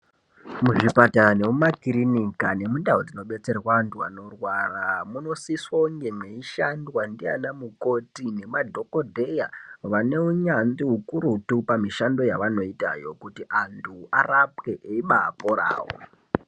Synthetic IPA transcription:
muʐipatane̞mumakiɾinikane̞mundaɦod͡zino̞ɓe̞t͡se̞rwaːntua̰no̞rwaramuno̞siswauŋɡeme̞iʃandwandia̰namuko̞tine̞madʱo̞ko̞dʱe̞jaʋane̞uɲand͡ziɦukuɾutupamiʃando̞jaʋano̞ita̰jo̞kutiʔantʰuarap̚ke̞ʔeiɓaa̰poɾa̰ːwo̰

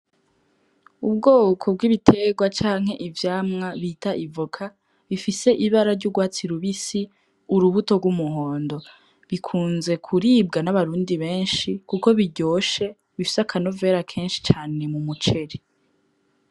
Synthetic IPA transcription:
ubɡoːkʰob̚ɡiβitʰe̞ɡwat͡ʃaːŋ̥he̞ʔivjaːmŋaβiːtaʔivokʰa | βifise̞ʔiβaɾaɾɟuɡwaːt͡siɾuβisi | uɾuβuto̞ɡwumuhoːndo̞ | βikʰuːnze̞kʰuɾiːb̚ɡanaβaɾuːndiβe̞ːnʃikuko̞βiɟo̞ːʃe̞ | βifi̥sakʰano̞ve̞ɾakʰeːnʃi̥t͡ʃaːne̞mumut͡ʃe̞ɾe

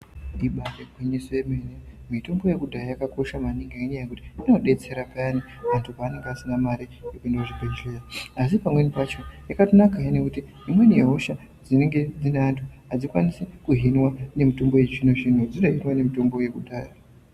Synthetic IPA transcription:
ɗiɓakekweɲisojemenemito̞mbo̞je̞kudʱajajakako̞ʃamaniŋɡainijajekuti̥ino̞ɗe̞t͡se̞ɾapaani | antʰupaːne̞ŋɡeasinamaɾijekuendauʐibʱed͡ʒejaasipamwe̞nipat͡ʃo̞jakatonakajinekutiːmwe̞nije̞ɦo̞ʃa | d͡zine̞ŋɡe̞d͡zineantʰuad͡zikwanisekuɦinwane̞mitombo̞je̞ʐinoʐin̤ud͡ziɗoɦinwane̞mito̞mbo̞je̞kudʱaːja

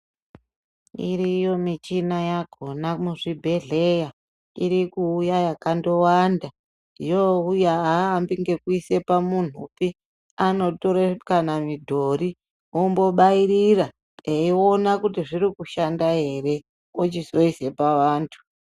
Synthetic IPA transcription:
iɾijo̞mit͡ʃinajaɡʱo̞namuʐibʱe̞ɮe̞ja | ḭɾikuːjajakando̞wanda | ijoujaaːmbiŋɡe̞kuise̞pamun̤upi | ano̞toɾekanamidʱo̞ɾi | ombo̞ɓaiɾira | eio̞nakutiʐiɾikuʃandaɦe̞re̞ | ot͡ʃizo̞ise̞paʋaːntʰu̥

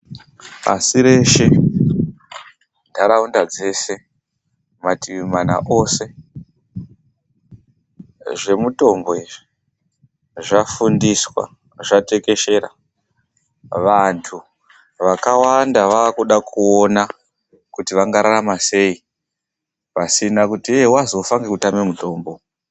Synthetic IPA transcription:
pa̰siɾe̞ʃe̞ | dʱaɾaundad͡ze̞se̞ | matiʋimana̰ʔo̞se̞ | ʐe̞muto̞mboeʐi | ʐafundiswa̰ | ʐate̞ke̞ʃe̞ɾa̰ | ʋantʰu | ʋakawandaʋaːkuɗakʰuona | kutiʋaŋɡaɾaɾamase̞i | pasinakutiewazo̞faŋɡekutamemuto̞ːmbo̞

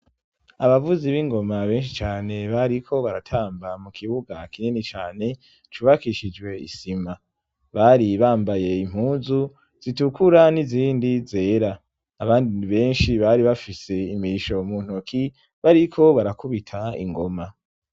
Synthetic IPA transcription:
aβavuziβiŋɡo̞maβe̞ːnʃ̬it͡ʃaːne̞βaɾikʰo̞βaɾatʰaːmbamukʰiβuɡakininit͡ʃaːne̞ | t͡ʃuːβakiʃid͡ʒwe̞ḭsima | βaɾiβaːmbaje̞im̥huːnzu | z̥itukuɾaniziːndize̞ːɾaː | βaːndiβe̞ːnʃiβaɾiβafise̞imiʃo̞muːn̥okʰi | βaɾikʰo̞βaɾakuβitʰaḭŋɡo̞ma

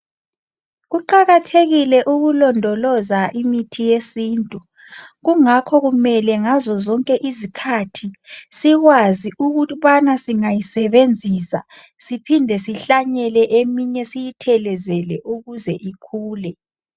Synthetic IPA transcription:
ɣuǃaɣatʰeɣilɛʔuɣulɔndʱɔlɔzaʔimitʰijesiːntʼu | ɣuŋakʰɔɣumɛlɛŋazɔzɔŋkʼɛʔizikʰatʰisiɣwaziʔuɣuβanasiŋajisɛβend͡zʱisa̰ | sipʰindʱɛsiɬaɲɛlɛʔemiɲɛsijitʰɛlɛzɛlɛʔuɣuzɛʔikʰuːlɛ

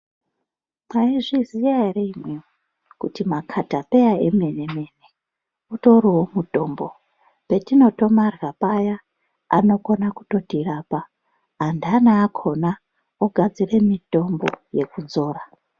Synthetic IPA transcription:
maiʐizijareimwe | kutimakʰatape̞jaemeneme̞ne | uto̞ɾiwomudʱo̞ːmbo | pe̞tino̞to̞marɣapaja | a̰no̞ko̞naku̥to̞tirapa | andanaːkʰo̞na | oɡʱad͡zire̞mito̞mbo̞je̞kud͡zo̞ːra

